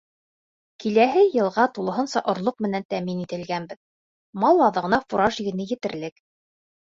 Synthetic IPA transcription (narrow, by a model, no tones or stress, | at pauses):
kilæɦɘjɤ̆lˠʁɑt̪ulˠɤ̆ɦɤ̆nsɑʔŏɾlˠoq̚mɘ̆nænt̪æminit̪ɘ̆lɡænbɘð | mɑlˠɑðɤ̆ʁɤ̆nɑfuɾɑʒiɡɘ̆nɘjɘ̆t̪ɘ̆ɾlɘk